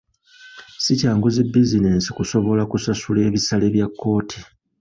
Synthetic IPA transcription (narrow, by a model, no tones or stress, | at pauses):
sicaːŋɡuzibizine̞ːnsi̥kuso̞βo̞lakusasule̞ːβisaleβjakːo̞ːtʰi̥